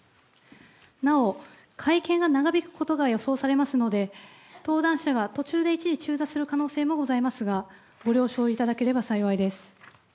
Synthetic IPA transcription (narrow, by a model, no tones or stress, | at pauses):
nao̞ | kʰaikẽ̞ŋɡanaɡabʲikɯ̟̥ko̞t̪o̞ɡajo̞so̞ːsaɾe̞masɨno̞d̪e̞t̪o̞ːd̪ãɰ̃ɕaɡat̪o̞t͡ɕɨːd̪e̞it͡ɕiɲit͡ɕɨːd̪asɨɾɯ̟kano̞ːse̞ːmo̞ɡo̞zaimasɨɡa | ɡo̞ɾʲjo̞ːɕo̞ːit̪ad̪ake̞ɾe̞basaiβaid̪e̞sɨ̥